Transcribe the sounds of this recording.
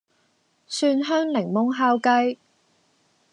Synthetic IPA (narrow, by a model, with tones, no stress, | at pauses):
syː˧nɦœː˥ŋlɪ˨˩ŋmʊ˨˥ŋɦaː˥wkɐ˥j